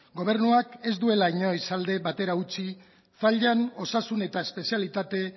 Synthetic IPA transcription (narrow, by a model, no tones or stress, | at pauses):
ɡo̞β̞e̞ɾnuake̞zd̪ue̞laiɲo̞isald̪e̞βat̪e̞ɾaut͡si | faʎano̞sasune̞t̪aespe̞sialit̪at̪e̞